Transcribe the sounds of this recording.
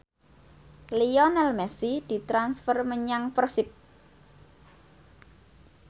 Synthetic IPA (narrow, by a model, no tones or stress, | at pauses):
liɔnɛlmɛsid̪̥i̤t̪ɾansfərməɲaŋprsɪp̚